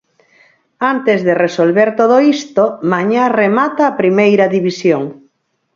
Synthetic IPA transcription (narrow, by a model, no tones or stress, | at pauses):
ant̪ezðeresolβeɾt̪oð̞oist̪omaɲaremat̪aːpɾimejɾɐðiβisjoŋ